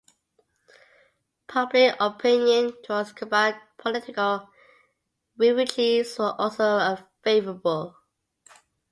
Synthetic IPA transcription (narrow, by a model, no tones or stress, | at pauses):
pʰʌblɪkəpʰɪ̃njə̃ntʰɹ̥ãnskʰəbaɪd̚pʰəlɪtɪkəlˠ | ɹɪɹɪtʰizwəʔɔlˠsoʊəfeɪvəɹəbəlˠ